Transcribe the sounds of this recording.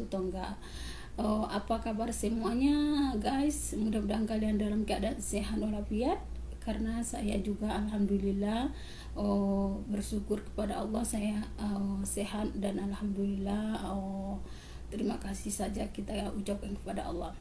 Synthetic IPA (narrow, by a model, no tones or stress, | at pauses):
ut̪oŋɡa | ʔəʔapakabarsəmuaɲaɡajsmudaudaŋkaliandalamkəadanseɦat̪olapiat̪̚ | karənasajad͡ʒuɡaːlɦamdulilah | əbərsukʊrkə̥padaɑlːɔhsajaəseɦat̪̚danalhamdulilaho | t̪əɾimakasisad͡ʒakit̪aut͡ʃap̚anŋkə̥pada̰ʔɑ̰lːɑh